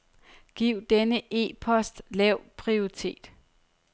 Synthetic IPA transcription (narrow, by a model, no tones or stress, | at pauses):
ɡ̥iʊ̰d̥enəʔe̝̰ːpʰɒ̽sd̥lɛʊpʰʁioʁit͡sʰe̝̰ːd̥